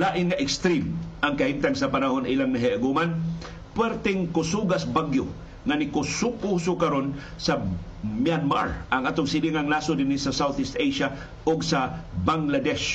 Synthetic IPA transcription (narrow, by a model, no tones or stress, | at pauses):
laːʔɪnŋɐʔɪkst̪ɾimʔɐŋkɐhimt̪aŋsɐpanaɦonʔilaŋnɐɦiʔaɡuman | pwɛɾt̪ɛŋkʊsuɡasbaɡjo | ŋanɪkʊsʊkusʊkɐɾon | sɐ | mjanma̰ɹʔɐŋʔaːt̪oŋsɪliŋaŋnasʊd̪ɪnisɐsawθɪst̪ejʃa | ʔoɡsabaŋlad̪ɛʃ